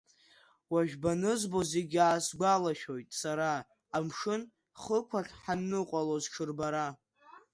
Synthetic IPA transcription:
waʒᶣbanɨzbo̞zeɡʲaːsɡʷalaʃᶣo̞jtʼsaɾaː | mʂɨn | χəkʷʰaɬħanːɨqʷʼalozʈ͡ʂʰɨrbaɾa

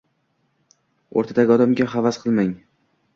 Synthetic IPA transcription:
o̰ɾt̪ʰad̪aɡʲɒd̪amɡʲaɦavasqʰɨlˠmaŋ

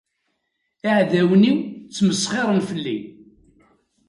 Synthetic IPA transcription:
aʕðæwniwt͡sːməsˤχɪɾˤənfəlːi

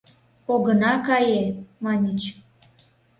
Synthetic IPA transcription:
oɣənɑkɑjemɑnʲit͡ɕ

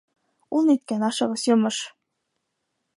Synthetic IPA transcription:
ulˠnit̪̚kænɑʃɤ̆ʁɤsjŏmɤʃ

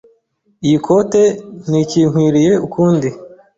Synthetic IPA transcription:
ijikʰo̞teniciːŋ̥hwiːɾije̞ukʰuːndi

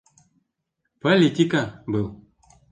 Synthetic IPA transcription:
politikabɨl

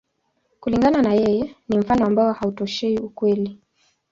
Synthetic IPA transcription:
kuliŋɡananajɛjɛnim̩fanɔambaɔhautɔʃɛiukwɛli

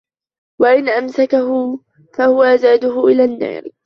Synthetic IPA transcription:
waʔɪnʔamsakaɦʊ | fahʊwaʔzaːd̪ʊɦʊʔɪlaːnːa̰ːɾ

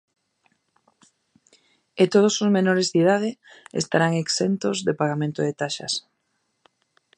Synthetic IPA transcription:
et̪oð̞osozmenoɾezðið̞að̞ɪḛst̪aɾaŋeksent̪ozðepaɣamẽnt̪oðet̪aʃɐ̰s

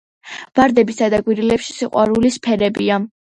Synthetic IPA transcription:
v̥aɾd̪ɛbisad̪aɡwiɾilɛpʃi̥siqʼwa̰ɾulispʰɛɾɛbia

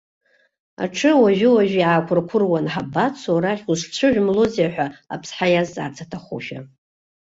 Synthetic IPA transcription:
a̰ʈ͡ʂʰɨwaʒᶣɪwaʒᶣiʕakʷʰʊrkʷʰʊrwanħabat͡sʰoɾaχʲuʂt͡ɕʷʰɨʒʷᶣmlozijaħʷᶣaa̰pʰsħajazːʼa̰rt͡sʰatʰaχṵʃᶣa̰

